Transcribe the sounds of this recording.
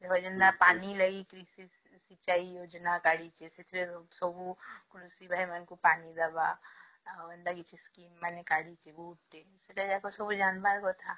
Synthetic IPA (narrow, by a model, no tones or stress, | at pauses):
d̪ekʰod͡ʒɐnd̪apaːnilɐɡikɾisi | sit͡ʃaːijoːd͡ʒnakaːɽit͡ʃesɪt̪ʰɾesobukɾusibʱajmɐnkupaːnid̪ɐba | ɐ̃nd̪aɡit͡ʃiskiːmːɛnekaːɽit͡ʃebuːʈːesɪʈed͡ʒakosobud͡ʒaːnbaɾkot̪ʰaː